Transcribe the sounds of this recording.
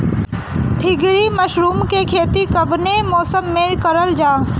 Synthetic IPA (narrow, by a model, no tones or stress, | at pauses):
t̪ʰɪɡɾimɐʃɾuːmkekʰeːt̪ikɐʋnemɔːsəmːẽkɐɾəld͡ʒaː